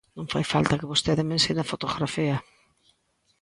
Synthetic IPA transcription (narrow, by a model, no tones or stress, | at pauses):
nõŋfajfalt̪ɐkɪβost̪eðɪmẽnsenafot̪oɣɾafiɐ